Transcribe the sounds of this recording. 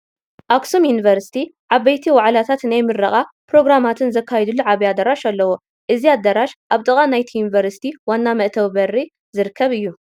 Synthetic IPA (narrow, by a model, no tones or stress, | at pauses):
ʔaksomjunivɐɾsi̥t̪ʰiʕaβɐjt̪ʰiwaʕlat̪ʰat̪najmɨɾɐχʼa | pɾo̞ɡɾamat̪ʰɨnzɐkːajɛd̪ulːuʕaβiad̪ɐɾaʃalːɐwo | ʔɨziad̪ːɐɾaʃʔaβt̪ʼɨkʼanajt̪ʰijunivɐɾsi̥t̪ʰiwanːamɐʔt̪ʰɐwbɐri | zɨɾɨkʰːɐβɨjːu